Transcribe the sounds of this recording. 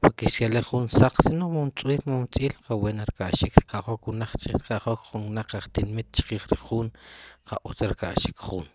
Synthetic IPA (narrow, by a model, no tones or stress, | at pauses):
poɾkeʃkaleχχunsaq͡χsinoχmant͡sʼwiːlmat͡sʼiːlqaweːnaɾkaʔʃikɾkaχokwunaq͡χt͡ʃʼikaχokχunwnaq͡χaχt̪inmit̪̚t͡ʃqiːχɾiχuːnqʰa̰ʔut͡saɾka̰ʔʃikχuːn